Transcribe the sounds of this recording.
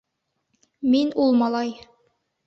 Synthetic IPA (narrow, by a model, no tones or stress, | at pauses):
minulˠmɑlˠɑj